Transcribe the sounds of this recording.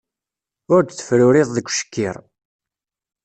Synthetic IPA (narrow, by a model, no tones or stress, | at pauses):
ʊɾd̪t͡sːə̥fɾʊɾɪðˤðəɡʷʃə̥kːɪɾˤ